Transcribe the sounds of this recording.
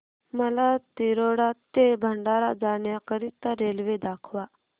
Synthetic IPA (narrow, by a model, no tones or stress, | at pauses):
məlat̪iɾoɽat̪ːebʱəɳɖaɾad͡zaɳjakəɾit̪ːaɾelʋed̪akʰʋa